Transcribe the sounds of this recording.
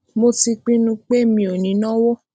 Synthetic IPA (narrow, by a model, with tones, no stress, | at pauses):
mo˧ti˧k͡pĩ˦nũ˧k͡pe˦mĩ˧o˨nĩ˨˦nɔ̃˦wo˦